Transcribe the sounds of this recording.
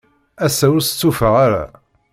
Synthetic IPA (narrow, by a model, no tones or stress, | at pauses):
æsæwst͡sːufəʁaɾa̰